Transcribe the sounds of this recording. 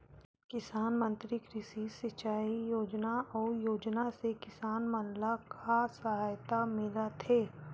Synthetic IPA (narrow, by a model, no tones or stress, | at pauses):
kɪsaːnmə̃nt̪ɾikɾɪsisɪt͡ʃːaːijoːd͡ʒnaɔːɾjoːd͡ʒnasekɪsaːnmɐnlakʰasɐɦaːjt̪amɪlat̪ʰeː